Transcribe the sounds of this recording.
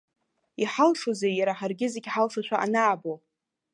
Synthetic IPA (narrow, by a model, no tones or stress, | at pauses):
iħalʂozejaɾaħarɡʲɪzeɡʲħalʂaʃʷaʔa̰naːbo